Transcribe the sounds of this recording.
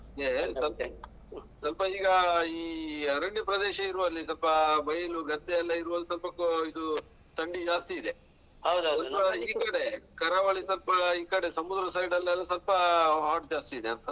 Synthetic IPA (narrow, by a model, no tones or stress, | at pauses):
id̪esɐlpɐ | sɐlpɐiːɡɐiːɐɾɐɳjɐpɾɐd̪eːʃɐiɾuʋɐlːisɐlpɐbɐjɐluɡɐt̪ːɛɐlːɐiɾuʋɐlːisɐlpɐkːoid̪u | t̪ɐɳɖid͡ʒaːst̪iːd̪e | ɐdsɐlpɐiːkɐɽekɐɾaʋɐɭisɐlpɐiːkɐɽe̞sɐmud̪ɾɐsɐjɖɐlːɛlːɐsɐlpɐɦaːɾʈ̚d͡ʒaːst̪iːd̪eɐnt̪ɐ